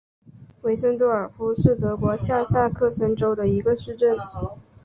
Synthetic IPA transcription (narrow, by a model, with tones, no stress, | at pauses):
we˧˥ɪʂə˥ŋt̪wɔ˥˩ə˞˨˩fu˧˥ʂɻ̩˥˩t̪ɤ˧˥kwɔ˧˥ɕja˥˧sa˥˧kʰɤ˥˩sə˧˥nʈ͡ʂo˥ʊd̪ə˨i˧˥ɡə˧ʂɻ̩˥˧ʈ͡ʂə˥˩n